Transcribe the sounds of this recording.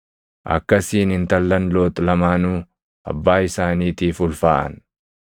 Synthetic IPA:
ʔɐ̰kːɐsiːnɪnt̪ɐlːɐnloːt̪lɐmaːnuː | ʔɐ̰bːaːɪsaːniːt̪iːfʊlfaːʔɐ̰n

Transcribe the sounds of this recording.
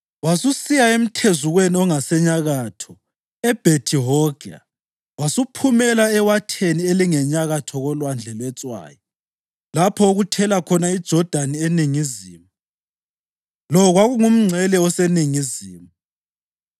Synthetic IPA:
wasusijaem̩tʰezuɣweniɔŋasɛɲaɣatʰɔ | ɛb̥ʱetʰiɦɔɡa̰ | wasupʰumɛlaɛwatʰenieliŋɛɲaɣatʰɔɣɔlwand͡ɮʱɛlwɛt͡sʼwa̰ːjɔ | lapʰɔoɣutʰɛlakʰɔnaid̥ʒ̥ʱɔd̥ʱanieniŋizḭːmu | lɔɔɣwaɣuŋum̩ŋ͡ǀʱɛlɛɔseniŋizḭːmu

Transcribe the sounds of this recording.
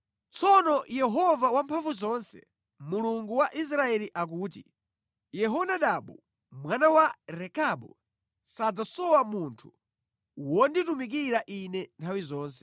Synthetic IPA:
t͡sʰɔnɔjɛɦɔvawampʰaɱvuzɔnsɛ̰ | muluŋɡuwaʔis̬ɾaɛliʔak̬uːt̬ḭ | jɛɦɔnaɗaɓu | mwanawaɾɛkaɓṵ | sad͡zasɔwamuntʰu̥ | wɔnditumik̬iɾaʔinɛntʰawizɔːns̬ɛ̥

